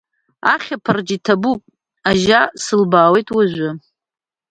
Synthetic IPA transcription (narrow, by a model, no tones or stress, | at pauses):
aχʲapʰard͡ʒitʰabupʼ | aʒasɨlbaːwe̞jtʼwaʒʷʊ